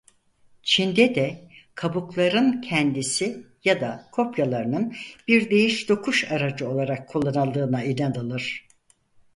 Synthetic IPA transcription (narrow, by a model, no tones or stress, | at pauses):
t͡ʃʰind̪ɛd̪ɛkʰabuklˠaɾɯncʰɛnd̪isi | jad̪akʰo̞pjalˠaɾɯnɯnbiɾd̪e̞jiʃd̪o̞kʰuʃaɾad͡ʒɯo̞lˠaɾakʰːulˠːanalˠd̪ɯːnailʲad̪alˠɯɾ̥